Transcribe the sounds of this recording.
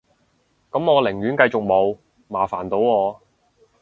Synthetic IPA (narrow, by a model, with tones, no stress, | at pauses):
kɐ˨˥mŋɔː˨˧lɪ˨˩ŋɥyː˨˥nkɐ˧jt͡sʊ˨k̚mo˨˧w | maː˨˩faː˨˩nt̪o˨˥wɔː˨˧